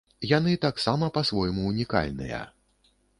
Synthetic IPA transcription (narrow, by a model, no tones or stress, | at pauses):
janɨt̪aksamɐpɐsvɔjmuːnʲika̰lʲnɨ̰jɐ̰